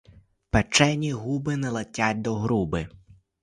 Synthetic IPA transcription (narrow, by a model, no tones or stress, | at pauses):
pɛt͡ʃɛnʲiɦubɪnɛlˠɐtʲatʲd̪ɔɦɾubɪ